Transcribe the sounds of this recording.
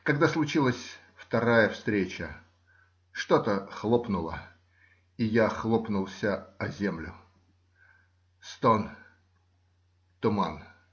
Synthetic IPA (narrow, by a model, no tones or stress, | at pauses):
kɐɡ̚d̪aslˠʊt͡ɕilˠəsʲ | ft̪ɐɾajəfst̪ɾʲet͡ɕə | ʂt̪o̞t̪əxlˠopnʊlˠə̰ | ɪjaxlˠopnʊlˠsʲəɐzʲe̞mlʲʊ | st̪on | t̪ʊman